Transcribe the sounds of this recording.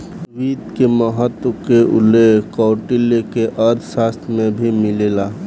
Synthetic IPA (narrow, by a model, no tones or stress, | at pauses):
ʋit̪keməɦət̪wəkeʔʊ̰lekɔʊʈilekeʔəɾd̪ʱsast̪ʰɾmẽbʱimɪlela